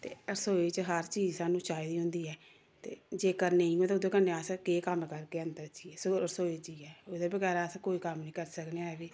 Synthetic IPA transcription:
t̪ḛːəɾsoːeːt͡ʃɦəɾt͡ʃiːd͡ʒsãːnũːt͡ʃaːid̪iːɦʊ̃nd̪iːɛː | t̪ḛːd͡ʒeːkəɾneːiũt̪eʊd̪eːkəɾneːaːsãkeːkəmkəɾkeːənd̪əɾt͡ʃiːsoəɾsoːet͡ʃiːɛːod̪eːbəɡɛːɾaːsãkoːiːkəmnĩːkəɾsəkneaːɛʋiː

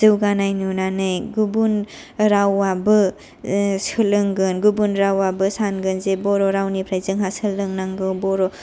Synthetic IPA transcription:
zɯwɡanajnunanɯjɡubun | ɾawabɯ | sɯlɯŋɡɯnɡubunɾawabɯsanɡɯnzebɔɾɔɾawnipʰɾajzɯŋɦasɯlɯŋnaŋɡɯwbɔɾɔ

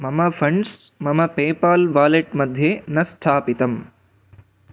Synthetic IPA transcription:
mɐmɐpʰɐɳɖsmɐmɐpeːpaːlʋaːleʈmɐd̪ʱjenɐsʈʰaːpit̪ɐm

